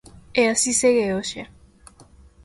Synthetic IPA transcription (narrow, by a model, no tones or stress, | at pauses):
easiseɣeoʃja